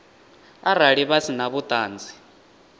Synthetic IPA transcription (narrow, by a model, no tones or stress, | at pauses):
araɺiβasinaβut̪ʼaːnd͡zʱi